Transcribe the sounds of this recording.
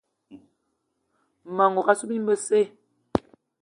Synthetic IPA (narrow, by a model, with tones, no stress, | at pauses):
ma˨ŋo˨ka˦su˦bi˦m˦bə˦se˦˨